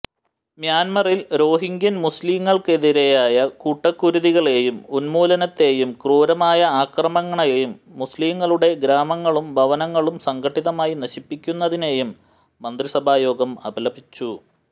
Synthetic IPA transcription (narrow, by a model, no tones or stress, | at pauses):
mjaːnmɐrilɾo̞ːɦiŋɡjɐnmusliːŋːɐɭke̞ðiɾe̞jaːjɐkuʈːɐkːuɾuðiɣɐɭeːjumunmuːlɐnɐt̪ːe̞ːjumkruːɾɐmaːjɐaːkrɐmɐŋːɐɳɐjjumːusliːŋːɐɭuɽe̞ɡɾaːmɐŋːɐɭumbʱɐʋɐnɐŋːɐɭumsɐŋɡʰʱɐʈːiðɐmaːjinɐɕipːikʲːunːɐðine̞ːjumː | ɐnd̪risɐbʱaːjo̞ːɡɐmɐ̰bʱɐlɐbit͡ɕːu